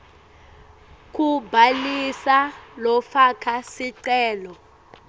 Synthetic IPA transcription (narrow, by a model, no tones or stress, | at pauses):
k̬ʼubʱalisalɔfakʰasiǀɛːlɔ